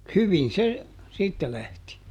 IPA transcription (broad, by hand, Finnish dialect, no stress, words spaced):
hyʋin̞ se siːtːæ læhti